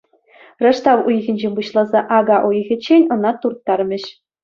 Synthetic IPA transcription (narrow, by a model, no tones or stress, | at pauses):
rɤ̆ʂt̪ɑʋujɣʲɘ̆nʲd͡ʑemʲbuɕlˠɑzɑʔɑɡɑʔojɣʲɘ̆t͡ɕːenʲɤ̆nɑt̪urt̪ːɑrmʲɘ̆ɕ